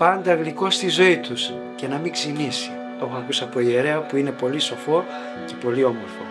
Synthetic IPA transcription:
pɐnd̪ɐɣliko̞st̪izo̞it̪us | ce̞nɐmiksinisi̥ | o̞xoɐkusɐːpo̞ie̞ɾe̞ɐpuine̞po̞liso̞fo̞ | ce̞po̞lio̞moɾfo̰

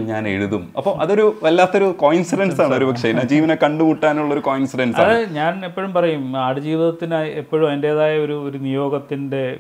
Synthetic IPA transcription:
ɲaːnḛɻuðumɐpːɐmʔɐðo̞ɾuelːaːt̪ːo̞ɾukoːjnsiɖɐnsaːɳɨoɾubɐkʂɐnaːd͡ʑiːʋɐnɐkɐɳɖumuʈːaːnuɭːɐo̞ɾukoːjnsiɖɐnsɐaːðɨɲaːnepːoɻumpɐrɐjumaːɽɨd͡ʑiːʋiðɐt̪ːinajepːoːɻumɐinde̞ːðaːjɐo̞ɾuoɾunijo̞ːɡɐt̪ːinde̞

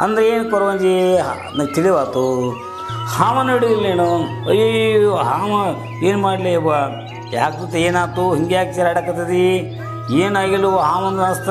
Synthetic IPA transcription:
ɐ̰nd̪ɐɾeeːnkɐɾɐʋɐɲd͡ʒi | nɐɡt̪iliʋaːt̪u | haːmɐnɐiɽuɡilːeːnu | ɐjojjɦaːmɐ | eːnmaːɽlejɐba | ja̰ːkɾut̪eːnaːt̪uɦiŋɡjaːkit͡ʃɐɾɐɽɐkɐt̪ɐd̪i | eːnaːɡilːuɦaːmɐnd̪unast̪

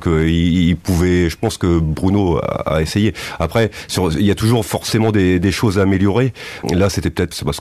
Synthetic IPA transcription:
kəiilpuvɛʒəpɑ̃skəbʁynoa̰a̰esejeapχɛsyʁiljat̪uʒuʁfɔʁsemɑ̃d̪ed̪eʃozaːmeljɔʁelaset̪ɛpø̥ət̪ɛt̪se̥pas

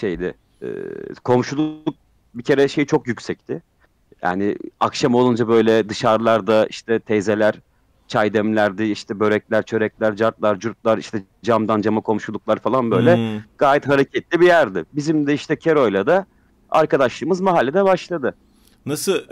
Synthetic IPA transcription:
ʃe̞jd̪ɪ̰ | ɛ̰ːkʰo̞mʃulˠuk̚ | bicʰe̞ɾɛʃe̞jt͡ʃʰo̞kjycsɛc̚t̪ʰɪ | ja̰ːnɪ̰akʃamo̞lˠund͡ʒabø̞jlʲɛd̪ɯʃaɾlˠaɾd̪aḭʃt̪ʰɛt̪ʰɛzelʲæɾ̥ | t͡ʃʰajd̪ɛmlʲæɾd̪ɪiʃt̪ʰɛbø̞ɾɛclʲæɾt͡ʃʰø̞ɾɛclʲæɾd͡ʒaɾt̪lˠaɾd͡ʒuɾt̪̚lˠaɾiʃt̪ʰɛ | d͡ʒamd̪and͡ʒamakʰo̞mʃulˠuk̚lˠaɾfalˠanbø̞jlʲɛɡ̥aːjɛt̪ɦaɾecʰɛt̪̚lʲibijæɾd̪ɪbizimd̪ɛiʃt̪ʰɛcʰeɾo̞jlˠad̪a | a̰ɾkad̪aʃlˠɯːmɯzmaɦalʲːed̪ɛbaʃlˠad̪ɯ | nasɯ

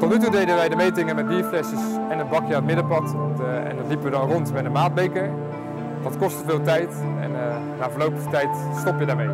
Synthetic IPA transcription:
tɔtnytudejdənʋɛjdəmejtɪŋəmɛt̚biːɹflɛsəs | ɛnɦəd̚bɑkjəətmɪdəpɑtɛ̰ndɑtlipəʋədɑnrɔntmɛtənmaːd̚bejkəɹ | dɑtkɔstəvɪːlˠtɛjtɛ̰nː | aːvəɹlowpəχətɛjt | stɔpjədaːmej

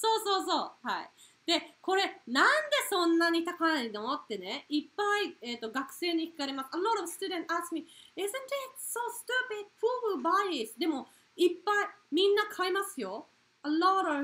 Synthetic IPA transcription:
soːso̞ːso̞ːhaḭ | d̪̥e̞ko̞ɾe̞nãnd̪e̞sõ̞nːaɲ̟it̪akanaid̪omot̪ːe̞ne̞ipːaiet̪ːo̞ɡakɯ̟̥se̞ːɲ̟içʲi̥kaɾemasɐlɔɾʌvsɨ̥t̪ud̪ẽntaskmiɪzɨ̃ntɪt̚sostuped̚puwubaɪɪsd̪e̞mo̞ | ipːaimʲĩnːakʰaimasɨjo̞ | alɔɾʌv

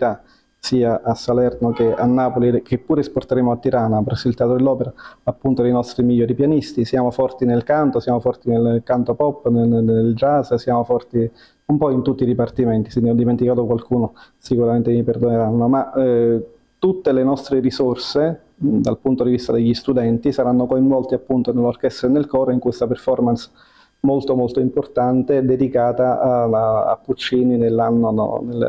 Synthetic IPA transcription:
t̪a | siːaʔasːalɛrnokeanːaːpolikepːuːɾeɛsport̪eɾeːmoat̪ːiɾanapɾɛsːoilt̪eat̪ɾod̪elːɔːpeɾaapːunt̪oejnɔst̪ɾimiʎːɔːɾipjanist̪isjaːmofɔrt̪inelkant̪osjaːmofɔrt̪inelkant̪opɔpːneeld͡ʒazsjaːmofɔrt̪i | umpɔint̪ut̪ːid̪ipart̪imɛnt̪isid̪ɔd̪iment̪ikaːt̪okwalkuːno | sikuɾament̪emiperd̪oneɾanːoma | t̪ut̪ːelenɔst̪ɾerisorse | d̪alpunt̪od̪ivist̪ad̪eʎːist̪ud̪ɛnt̪isaɾanːokoiɱvɔlt̪iapːunt̪onelːorkɛst̪ɾenelkɔːɾoiŋkwest̪aperfɔrmans | molt̪omolt̪oimport̪ant̪ed̪ed̪ikaːt̪aaa̰pːut͡ʃːiːninelːanːono̰nḛl

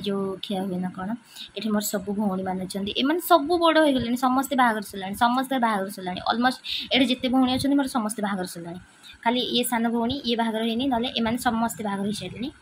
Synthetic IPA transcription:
d͡ʒokʰiaɦuenakɔɽ̃ɔ | eʈʰamoɾɔsɔbubʱowɽ̃imanɔt͡ʃʰɔnt̪iʔemanesɔbuboɽɔɦojɡolañisɔmɔst̪ebʱaɡɔɾɔsulaɽ̃isɔmːɔst̪ebʱaaɡɔɾɔsulaɽḭʔɔ̰lmosʈeʈʰad͡ʒet̪ebʱowɽ̃iɔt͡ʃʰɔ̃nt̪imoɾɔsɔmɔst̪ebʱaaɡɔɾɔsulaɽ̃i | kʰaliest̪ʰanɔbʱowɽ̃iebʱaaɡɔɾɔɦejninɔleʔemanesɔmːɔst̪ebʱaɡɔɾɦisajleñi

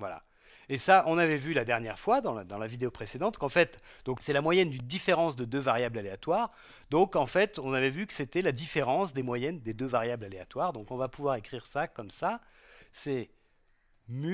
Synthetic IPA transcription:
vwala̰ | esaʔɔ̃navɛvylad̪ɛʁnjɛʁfwad̪ɑ̃d̪ɑ̃lavid̪eopχesed̪ɑ̃t̪kɑ̃fɛt̪ | d̪̥ɔ̃ksɛlamwajɛnd̪ynd̪ifeʁɑ̃sd̪əd̪øvaʁjablaleat̪waʁ | d̪ɔ̃kɑ̃fɛt̪ɔ̃navɛvykə̥set̪ɛlad̪ifeʁɑ̃sd̪emwajɛnd̪ed̪øvaʁjablaleat̪waʁd̪ɔ̃kɔ̃vapuvwaʁekχiʁsakɔmsa | sɛ | my

